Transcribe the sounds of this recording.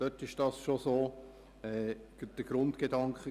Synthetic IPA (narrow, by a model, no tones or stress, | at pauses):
d̥œtɪʃd̥ɑːsʃosoː | ɛːd̥əɡ̥ɾʊntɡ̥edɑŋkχə